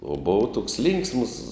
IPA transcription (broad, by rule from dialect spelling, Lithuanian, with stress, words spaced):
oː ˈboːʋɐ toːks ˈlʲɪŋksms